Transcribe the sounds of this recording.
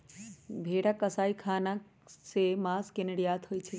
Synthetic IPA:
bʱeːɽakəsaːikʰaːna | semaskenəɽijaːt̪ɦoːjt͡ʃʰe

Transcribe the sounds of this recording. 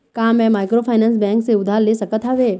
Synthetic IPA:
kaːmɛ̃maːɪkɾopʰaːɪnə̃ns̬bɛ̃ːŋkseʊd̪ʱaːllesɐkət̪ɦaʋeː

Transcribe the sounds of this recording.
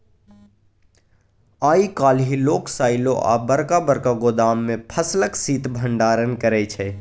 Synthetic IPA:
aːikaːlɦiloːksaːɪlõʔa̰ːbəɾkabəɾkaɡod̪aːmːẽpʰəsləksiːt̪bʱə̃ɳɖaːɾənkəɾɛːt͡ʃʰɛː

